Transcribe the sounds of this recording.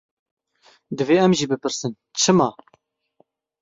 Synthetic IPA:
d̪ɨveːɛmʒiːbɨpɨɾsɨn | t͡ʃʰɨmɑː

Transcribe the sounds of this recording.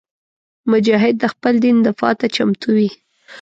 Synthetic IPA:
mʊd͡ʒɑɦɪd̪̚ːəxpəld̪ind̪əfɑt̪at͡ʃamt̪ʰuwi

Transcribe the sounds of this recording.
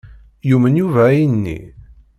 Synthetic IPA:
jumənjuvæinːḭ

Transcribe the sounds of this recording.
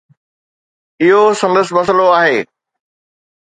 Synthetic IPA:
ɪɦosɐ̃nd̪əsɪ̆mɐs̬loaːɦeː

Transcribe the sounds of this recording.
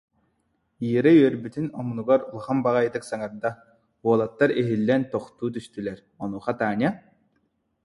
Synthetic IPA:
iːɾayœɾbyt̪inɔmunuɡaɾulˠχambaʁajd̪ɯksaŋaɾd̪a | uɔlˠat̪ːaɾiɦilːɛnt̪ɔχt̪uːt̪̬yst̪ylɛɾ | ɔnuːχat̪aːnʲa

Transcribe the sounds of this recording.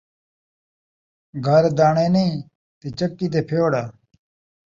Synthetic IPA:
ɡʱəɾd̪aːɳeːneĩː | t̪et͡ʃəkːiːt̪̬eːpʰjoːɽaː

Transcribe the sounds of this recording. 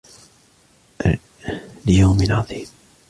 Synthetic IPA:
ljawmɪlʕɑðˤiːm

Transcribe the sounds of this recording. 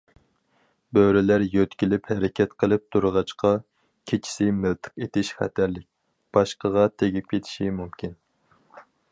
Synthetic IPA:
bøɾɪlæɾjøt̪kʲilɪphɛɾɪkʲʰɛt̪qʰəlˠɨp̚t̪ʰuɾʁɑt͡ʃqʰɑ | kʲʰet͡ʃʰi̥sɪmɪlt̪ʰə̥qet̪ʰɪʃχæ̰t̪ʰæɾlɪk̚ʲ | b̥ɑʃqəʁɑt̪ʰeɡʲip̚kʲʰet̪ʰɪ̥ʃimumkʲʰin

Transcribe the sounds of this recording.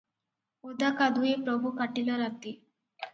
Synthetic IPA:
od̪akad̪uepɾəbʱukaʈiləɾat̪i

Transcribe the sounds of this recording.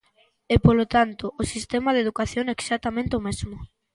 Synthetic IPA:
epolot̪ant̪oʔosist̪ɛmaðeðukaθjoŋɛksat̪amẽnt̪eomezmʊ

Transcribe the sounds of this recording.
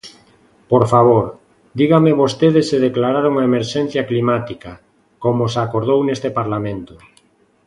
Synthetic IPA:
poɾfaβ̞oɾ | d̪iɣameβost̪eðeseðeklaɾaɾuŋaemeɾʃẽn̟θjaklimat̪ika | komosakoɾð̞ownest̪epaɾlamẽnt̪o

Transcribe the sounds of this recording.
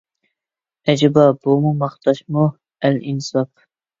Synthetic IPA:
ɛd͡ʒɪbɑbumumɑχt̪ɑʃmu | ælinsɑp̚

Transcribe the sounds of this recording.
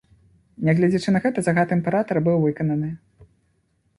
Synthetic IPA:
nʲɛɣlʲɛd͡zʲit͡ʂɨnɐɣɛt̪ɐzaɣat̪ɨɛmʲpʲɛɾat̪ɐɾbɨwvɨkɐnɐnɨ

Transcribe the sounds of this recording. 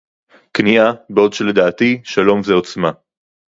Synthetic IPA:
kniabeo̞d̪ʃeled̪aːt̪iʃalo̞mzeo̞t͡sma

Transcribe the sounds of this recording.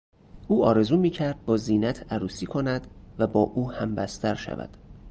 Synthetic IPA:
ʔuːɒːɾe̞zuːmiːcʰæɾd̪̥̚bɒːziːnæt̪ʰæɾuːsiːkʰo̞næd̪væbɒːʔuːhæmbæ̰st̪ʰæɾʃæ̰væ̰d̪̥

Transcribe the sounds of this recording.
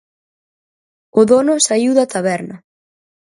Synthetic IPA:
ʊðonʊsaiwðat̪aβɛɾnɐ

